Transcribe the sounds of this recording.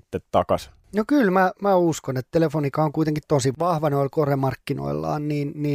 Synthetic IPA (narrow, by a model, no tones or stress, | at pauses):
t̪ːet̪t̪ɑkɑ̰s | nokylmæmæuskonet̪t̪elefonikɑoŋkuit̪eŋkit̪t̪onsiʋʋɑhʋɑneolʲkoremɑrkːino̰ilːɑ̰ːnniːnniː